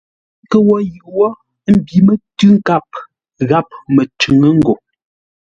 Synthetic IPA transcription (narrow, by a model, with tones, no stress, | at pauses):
kə˨wɔ˦jɯ˨ʔwɔ˦ | m̩˨bi˨mə˨tʉ˦ŋ̩˦ka˦˨p̚ | ɣa˦p̚mə˨t͡ʃʉ˨ŋə˦ŋ̩˦ɡo˨